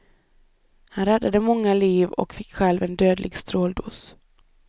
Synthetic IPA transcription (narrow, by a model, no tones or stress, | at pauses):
hanɾɛd̪ːad̪əmɔŋːaliːvɔ̰kfɪkːɧɛlvɛnd̪øːd̪lɪ̰ɡst̪ɾoːld̪ṵːs